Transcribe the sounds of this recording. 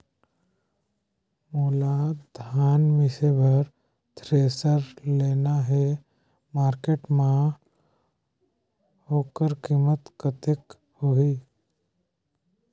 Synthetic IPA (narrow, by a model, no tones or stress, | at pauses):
moːlad̪ʱaːnmɪsebəɾ | t̪ʰɾeːsəɾleːnaɦe | maːɾkeːʈmã | hoːkəɾkiːmət̪kət̪ek | hoiː